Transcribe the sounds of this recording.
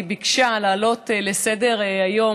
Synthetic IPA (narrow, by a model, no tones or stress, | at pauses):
bikʃalaːlo̞tlesede̞ʁajo̞